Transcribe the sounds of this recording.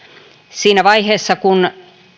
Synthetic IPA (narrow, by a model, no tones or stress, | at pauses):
siːnæʋɑiheːsːɑkun